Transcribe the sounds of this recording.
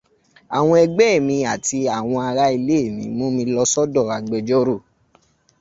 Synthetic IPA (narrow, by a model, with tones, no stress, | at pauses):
a˨w̃ɔ̃˧ɛ˧ɡ͡bɛ˦˨mĩ˧a˨ti˧a˨w̃ɔ̃˧a˧ɾa˦i˧le˦e˦˨mḭ̃˨˦mũ˦mĩ˧˦lɔ˧˦sɔ˦dɔ˦˨a˨ɡ͡bɛ˧d͡ʒɔ˦ɾo˦˨